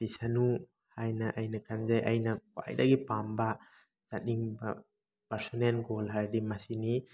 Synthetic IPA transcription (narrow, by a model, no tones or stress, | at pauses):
bisanu | hajnɐʔajnɐkʰanzajʔajnɐka̰jdɐɡipambɐ | z̥atiŋbɐ̰ | paɾsɔnenɡolɦaɾdimasini